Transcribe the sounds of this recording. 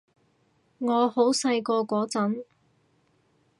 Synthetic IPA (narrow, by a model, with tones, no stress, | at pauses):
ŋɔː˨˧ho˨˥wsɐ˧jkɔː˧kʷɔː˨˥t͡sɐ˨˥n